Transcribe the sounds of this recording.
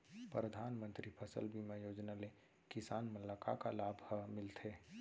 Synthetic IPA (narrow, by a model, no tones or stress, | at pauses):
pɾɾəd̪ʱanmə̃nt̪ɾipʰəsə̰lbʱimejoːd͡ʒnale | kɪsaːnməlːakakalaːbʱhəmɪlt̪ʰe